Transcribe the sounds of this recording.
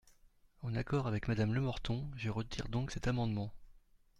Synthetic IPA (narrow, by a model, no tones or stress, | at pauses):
ɑ̃nakɔʁavɛkmad̪amləmɔʁt̪ɔ̃ʒəʁət̪iʁd̪ɔ̃ksɛt̪amɑ̃d̪mɑ̃